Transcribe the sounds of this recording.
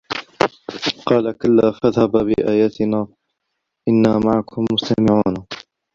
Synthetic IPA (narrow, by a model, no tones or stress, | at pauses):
qɑːlakalːaːfaðhabbɪʔaːjaːt̪ɪnaː | ʔɪnːaːmaʕakʰʊmːʊst̪amɪʕuːna